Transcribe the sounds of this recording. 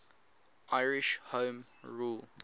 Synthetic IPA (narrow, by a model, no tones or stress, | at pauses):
ʔaɪɹɪʃhõːmɹul